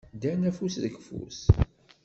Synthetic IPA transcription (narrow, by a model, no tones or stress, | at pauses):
d̪ænæfusðəkfṵs